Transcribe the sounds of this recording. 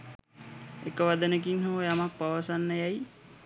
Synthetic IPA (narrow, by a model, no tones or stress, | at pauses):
ekəʋad̪ənək̬iŋɦoʋəjamak̚paʋəsanːəjaj